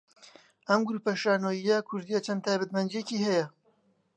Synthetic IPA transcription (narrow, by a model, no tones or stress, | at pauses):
ʔɐmɡɾuːpɐʃaːnoːijɐkʰʊɾd̪ijɐt͡ʃʰɐnt̪ʰaːjbɐt̪mɐnd͡ʒieciːɦɛjɐ